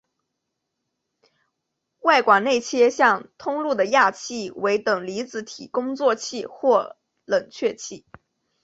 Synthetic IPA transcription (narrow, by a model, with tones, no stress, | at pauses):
wa˥˩ɪkwa˨˩ne˥˩ɪt͡ɕʰjɛ˥ɕjɑ˥˧ŋt̪ʰʊ˥ŋlu˥˩d̪ə˩ja˥˩t͡ɕʰi˥˩we˧˥ɪt̪ɤ˨˩ŋli˧˥t͡sɹ̩˧˥t̪ʰi˨˩kʊ˥ŋt͡swɔ˥˧t͡ɕʰi˥˧xwɔ˥˩ | lə˨˩ŋt͡ɕʰɥɛ˥˧t͡ɕʰi˥˩